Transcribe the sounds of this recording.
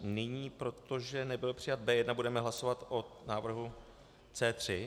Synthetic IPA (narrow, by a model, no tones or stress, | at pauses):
nɪɲiːpɾo̞t̪o̞ʒɛnɛbɪlpr̝̥ɪjat̪̚bɛːjɛdnabudɛmɛɦlaso̞vat̪ʔonaːvr̩ɦu | t͡sɛːt̪r̝̥ɪ